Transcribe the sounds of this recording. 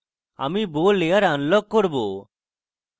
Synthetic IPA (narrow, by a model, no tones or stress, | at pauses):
a̰miːboːleːəɾanlɔɡ̚kɔɾboː